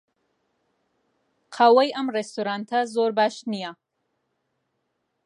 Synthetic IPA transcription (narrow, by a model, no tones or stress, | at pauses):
qʰawɐjʔɐmrest̪uɾant̪ʰazoɾbaʃnija